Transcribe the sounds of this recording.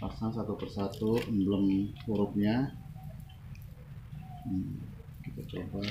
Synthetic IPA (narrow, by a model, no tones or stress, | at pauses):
pasaŋsat̪upərsat̪umbələmpuɾʊp̚ɲa | kit̪at͡ʃoba